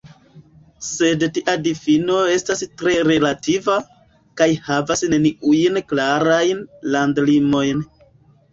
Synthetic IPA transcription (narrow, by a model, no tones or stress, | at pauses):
se̞dtiʔadifino̞e̞stastɾe̞ɾe̞lativa | kajhavasneniujnklaɾajnlandlimo̞jn